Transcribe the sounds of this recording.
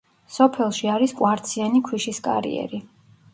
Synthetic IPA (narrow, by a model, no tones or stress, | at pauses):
sɔpʰɛlˠʃiaɾiskʼwaɾt̪sʰianikʰwiʃiskʼa̰ɾḭɛ̰ɾi